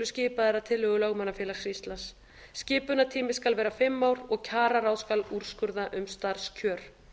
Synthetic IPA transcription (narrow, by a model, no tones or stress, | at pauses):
ɾʏscɪːpaðɛɾaðt̪ʰɪlːœɣʏlaɣmanːafjɛlasɾist̪lasː | cɪːpʏnat̪ʰiːmɪskalvɛːɾafɪmːawɾɔɣcʰaːɾaɾaːwðskaluɾ̥skʏɾðaʔʏmst̪aɾ̥scʰœːɾ̥